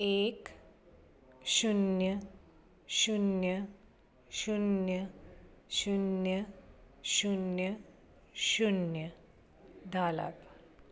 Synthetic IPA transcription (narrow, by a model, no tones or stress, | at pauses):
ek | ɕunjə | ɕunjə | ɕunjə | ɕunjə | ɕunjə | ɕunjə | d̪ʱala̰t̪